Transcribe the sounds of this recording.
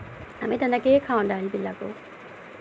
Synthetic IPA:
a̰met̪ɐnːɐkeːkʰaːuɳɖaːlibilːaku

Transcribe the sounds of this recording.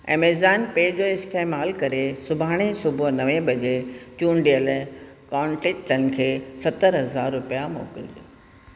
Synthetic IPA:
ɛ̰̃ːmeːzaːnpeːd͡ʑoːɪst̪eːmaːlkɐɾesʊbʱaːɽ̃esʊbʱonɐʋẽbɐd͡ʑet͡ɕũːnɖijəl | kaːɳʈek̚ʈənɪ̆kʰeːsɐt̪əɾɦɐzaːɾːʊpijamo̰ːkɪld͡ʑo

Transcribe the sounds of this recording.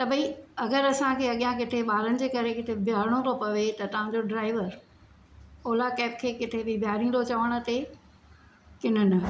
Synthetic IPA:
t̪ɐbʱɐĩɐɡəɾɐsãkʰeːɐɠijãk̬ɪt̪ʰeɓaːɾənɪ̆d͡ʑeːkɐɾekɪt̪ʰebʱɪjaːɾɪɽ̃oɾopɐʋet̪ɐt̪ɐʋ̤ãd͡ʑoɖɾaːɪʋəɾ | oːlakɛːp̚kʰeːkɪt̪ʰebɪbʱɪjaːɾĩːn̆d̪ot͡ɕɐʋəɽ̃ʊ̆t̪e | kɪn̤ənɪ̆

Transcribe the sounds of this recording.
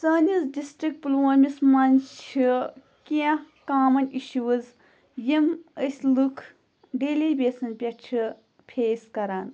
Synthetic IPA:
t͡sɐːnizɖisʈɾik̚ʈ̚plomʲismɐnt͡ʃʰi | kia | kaːmɐnʲiʃuwɐz | jiməsʲlukʰ | ɖeːlibʲesɐnpʲɐt͡ʃʰi | pʰeːskɐɾaːn

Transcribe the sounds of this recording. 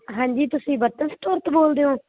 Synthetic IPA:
ɦãːɲd͡ʒiːt̪ʊsĩːbət̪ənst̪ʊɾt̪boːld̪eõː

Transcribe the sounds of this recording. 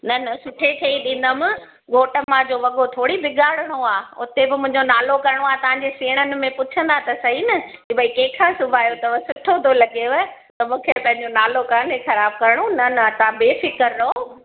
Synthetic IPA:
nɐnɐsʊʈʰekʰeːiɗĩːn̆d̪əmɪ̃ | ɡʱoːʈəmãd͡ʑoːʋɐɠot̪ʰoːɽibɪɡaːɽəɽ̃oaːʊ̰t̪ebɪmʊ̃ɦɪ̃ɲd͡ʑonaːlokɐɾɪɽ̃oaːt̪ɐʋ̤ãːɲd͡ʑeseːɽ̃ənɪ̆mẽpʊt͡ɕʰə̃nd̪at̪ɐsɐɦinɐkibʱɐikẽːkʰãːsʊbʱaːjot̪ɐʋɐsʊʈʰot̪ʰolɐɡeʋɐ | t̪ɐmũːkʰepɐ̃ɦɪ̃ɲd͡ʑonaːlokaːnexɐɾaːb̚kɐɾɪɽ̃onɐnɐt̪ɐãbeːfɪkəɾːɐɦo

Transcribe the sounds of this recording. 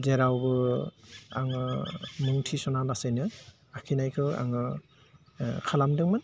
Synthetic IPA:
zeɾawbɯ | a̰ŋɯmuŋtʰisɔnalasenɯ | akʰinajkʰɯa̰ŋɯ | kʰalamdɯŋmɯn

